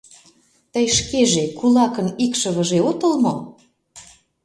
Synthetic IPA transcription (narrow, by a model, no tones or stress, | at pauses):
t̪əjʃkeʒekulɑkənikʃəβə̆ʒeot̪ə̆lmo